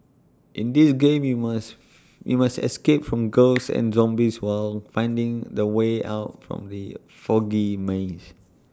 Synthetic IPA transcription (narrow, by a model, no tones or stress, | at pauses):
ʔɪ̃ndisɡẽmjumas | jṵmastɛ̰skep̚fɹɔ̃mɡəlsɛ̰̃nzɔ̃mbiswalfãɪ̃ndɪ̃ŋdəweʔa̰ʊtfɹɔ̰̃mdə | fɔɡimẽs